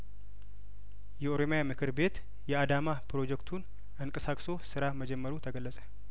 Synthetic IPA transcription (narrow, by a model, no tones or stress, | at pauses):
jɛo̞ɾo̞mijamɨkʰɨɾbe̞t̪ | jɛad̪amapɾo̞d͡ʒɛkt̪ʰun | ʔɨŋkʼəsakʼso̞sɨɾaməd͡ʒɛmːəɾut̪ʰəɡəlːəsʼə̥